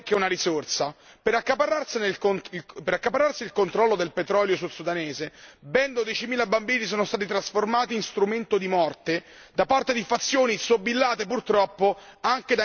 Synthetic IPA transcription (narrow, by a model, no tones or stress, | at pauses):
kːeunaɾisort̪sa | peɾakːapaɾarsineonpeɾakːapaɾarsilkont̪ɾɔlːod̪elpet̪ɾɔːljos̬usod̪aneːzebɛnd̪od̪jɛt͡ʃimiːlabambiːnis̬oːnost̪aːt̪it̪ɾasformaːt̪iːnst̪ɾument̪od̪imɔrt̪e | d̪apart̪ed̪ifat̪sːjoːnisobːilːaːt̪epurt̪ɾɔpːoaŋk̟ed̪a